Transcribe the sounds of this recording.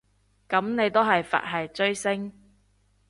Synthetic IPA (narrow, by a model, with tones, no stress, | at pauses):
kɐ˨˥mne˨˧jt̪o˥ɦɐ˨jfa̰ː˨t̚ɦɐ˨jt͡sɵ˥ɥsɪ˥ŋ